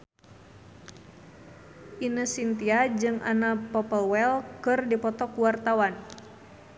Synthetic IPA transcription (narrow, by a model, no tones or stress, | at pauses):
ʔinəsint̪iad͡ʒɨŋʔa̰napɔpəlwɛlkɨrdipɔt̪ɔkuwart̪awan